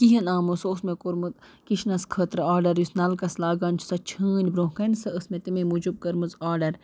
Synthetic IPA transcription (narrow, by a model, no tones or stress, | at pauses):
kiɦɐnaːmusoːsmẽkoɾmɨt̪ | kiʃnɐskʰəːt̪ɾɐaːɾɖɐɾjusnɐlkɐslaːɡaːnʲt͡ʃʰu̥sɐt͡ʃʰɨːnʲbɾõɦkɐnsɐəsmet̪imemud͡ʒub̚kɐɾmɨzaːɾɖɐɾ